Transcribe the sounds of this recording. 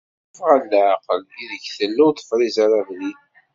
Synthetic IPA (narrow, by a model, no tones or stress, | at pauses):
fʁalːaʕqəliðəçθəlːʊt̪ˤːə̥fɾˤizaɾavlin